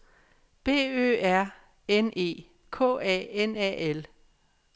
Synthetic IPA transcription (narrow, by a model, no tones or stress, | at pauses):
b̥e̝̰ːø̰ːæɐ̰ | ene̝̰ː | kʰɔ̰ːɛ̰ːenɛ̰ːel